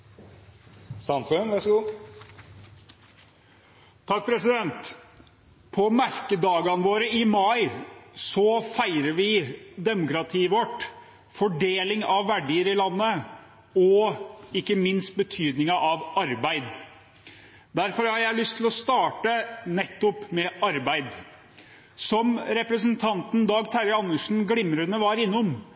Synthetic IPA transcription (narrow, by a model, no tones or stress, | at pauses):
sɑmfʉnʋæʂɡuː | t̪ʰɑk̚ːpʰɾɛsɪd̪ɛnt̪ | pʰɔmæɾkəd̪ɑːɡɑnʋoːɾəɪmɑɪsɔfæɪɾəɾʋɪd̪ɛmʊkɾɑt̪ʰiːəʋɔʈː | fɔɖeːlɪŋɑʋːæɖiːəɾɪlɑnːə | ɔɪkːəmɪnst̪̚bət̪ʰyːd̪nɪŋɑʔɑʋɑɾbæɪd̪ | d̪æɾfɔɾhɑɾjæɪlʏst̪ʰːɪlɔst̪ɑːʈənɛt̪ːɔpmɛʔɑɾbæɪd̪ | sɔmɾɛpɾəs̬ənt̪ʰɑnt̪n̩d̪ɑːɡt̪ʰæɾəɑnːəʂn̩ɡɽɪmːɾənəʋɑɾɪnːɔm